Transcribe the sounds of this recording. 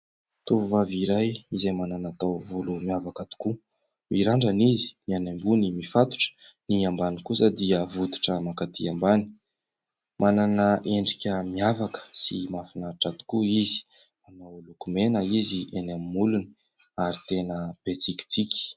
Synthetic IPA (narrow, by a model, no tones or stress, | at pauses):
t̪uvuvaviɾajizajmananat̪awvolumiavakat̪u̥ku | miɾaɳɖ͡ʐanizi̥nianambunimifat̪u̥ʈ͡ʂə̥ | niambanikusəd̪iəvut̪u̥ʈ͡ʂəmakat̪iambani̥ | mʔananəʔeɳɖ͡ʐikʲəmiavakə̥sḭmafinaʈ͡ʂat̪u̥kuizi̥ | manawlukumenəizienamimuluni̥ | aɾit̪enəb̥et͡sikʲi̥t͡sikʲi̥